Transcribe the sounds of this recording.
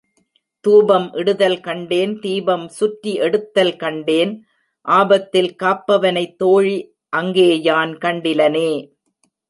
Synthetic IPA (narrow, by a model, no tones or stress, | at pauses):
t̪uːbɐmʔɪɽɯðɐlkɐɳɖeːnt̪iːbɐmsʊʈɾiʔɛɽɯt̪ːɐlkɐɳɖeːn | ʔaːbɐt̪ːɪlkaːpːɐʋɐnɐɪt̪ːoːɻi | ʔɐŋɡeːjaːnkɐɳɖɪlɐneː